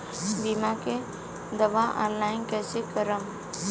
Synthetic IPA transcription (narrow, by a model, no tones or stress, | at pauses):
biːmake | d̪əʋaʔɔ̰̃ːnlaːɪnkɛːsekəɾəm